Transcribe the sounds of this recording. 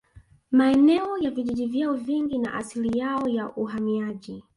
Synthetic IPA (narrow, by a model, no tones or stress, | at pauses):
maɛnɛɔjaviʄiʄivjaɔviŋɡina̰ʔasilijaɔjaʔuɦamiaʄi